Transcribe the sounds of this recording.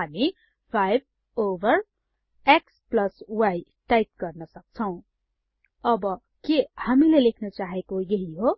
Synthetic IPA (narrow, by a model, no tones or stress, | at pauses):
ɦami | pʰajb̚ʱ | obʱʌr | eksplʌswajʈajt̪̚ɡʌrnʌsʌk̚t͡sʰʌw̃ | ʌbʌ | kehamilelekʰnʌt͡saɦekojʌɦiɦo